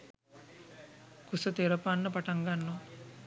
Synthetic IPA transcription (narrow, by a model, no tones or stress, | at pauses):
kusət̪eɾəpanːəpaʈaŋɡanːo